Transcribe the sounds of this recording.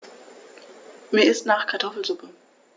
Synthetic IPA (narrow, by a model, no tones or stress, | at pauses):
meːɐɪstnaːχkʰaɐtʰɔfl̩zʊpə